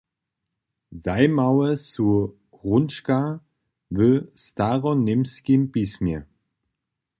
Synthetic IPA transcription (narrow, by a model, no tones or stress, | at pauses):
zaɪmawəsu | ʁʊnʃka | vøstaʁɔnːɪmskimpismi